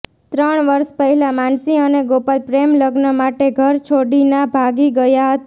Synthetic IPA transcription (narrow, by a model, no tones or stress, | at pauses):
t̪ɾəɳ̃ʋəɾʃpəɦɛlamansiəneɡopalpɾemləɡnəmaʈeɡʱəɾt͡ʃʰoɽinabʱaɡiɡəjaɦət̪a